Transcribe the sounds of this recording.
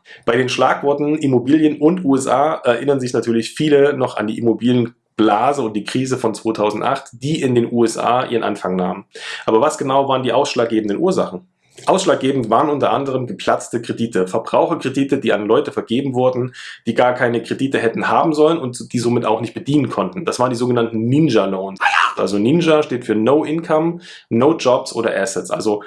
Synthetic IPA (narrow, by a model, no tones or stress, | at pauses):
b̥aɪɾeːnʃlaːkv̥ɔɐtn̩ʔimobiːljənʊntʔuːɛsʔaːʔɛɐʔɪnɐnzɪçnatʰyːɐlɪçfiːlənɔχa̰nd̥ḭːʔimobiːljən | b̥laːzəʊnt̚d̥iːkʁ̥iːzəfɔnt͡sv̥oːtʰaʊzn̩tʔa̰χtd̥iːʔɪndeːnʔuːɛsʔa̰ːʔiːʁənʔa̰nfaŋna̰ːmənʔaːbɐvasɡ̥ənaʊvaːɐəndiːʔaʊsʃlaːk̚ɡeːbn̩dənʔuːɐza̰χn̩ | ʔaʊsʃlaːk̚ɡ̥eːbm̩tv̥aːʁənʔʊntɐʔandəʁ̞əmɡəpʰl̥at͡stəkʁ̥ediːtʰəfɛɐbʁaʊxɐkʁ̥ediːtədiːanlɔʏtəfɛɐɡeːbm̩vʊɐdn̩d̥iːɡaːɐkʰaɪnəkʁ̥ediːtəɦɛtn̩haːbm̩zɔlənʊntd̥iːzoːmɪta̰ʊxnɪçt̚b̥ədiːnənkʰɔntn̩d̥asv̥aːʁəndizoːɡənantn̩ninʒaloːnsʔa̰lzoninʒaʃteːtfyːɐnoʊʔɪnkʰɔm | noːd͡ʒɔpsʔo̰ːɾɐ̰ʔɛsɛtsʔa̰lzo